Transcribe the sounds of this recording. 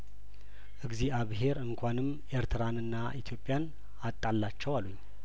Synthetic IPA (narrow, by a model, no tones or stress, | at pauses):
ʔɨɡziaβɦe̞ɾɨŋkʷʰanɨm | ʔe̞ɾt̪ʰɨɾanɨnːaʔit̪ʰjo̞pʼːjan | at̪ʼːalːat͡ʃːɛwaluɲː